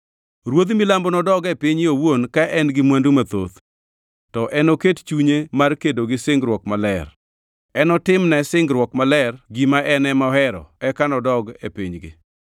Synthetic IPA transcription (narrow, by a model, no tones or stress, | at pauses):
ɾwod̪milambɔnɔdɔɡɛpɪɲɪowonkaʔɛnɡɪmwandumat̪o̰t̪ | tɔʔɛnokett͡ʃuɲemarkedoɡɪsɪŋɡɾwɔkmalɛr | ɛnɔtɪmnɛsɪŋɡɾwɔkmalɛrɡimaʔɛnɛmɔhɛɾɔ̰ɛkanɔdɔɡepḭɲɡɪ̰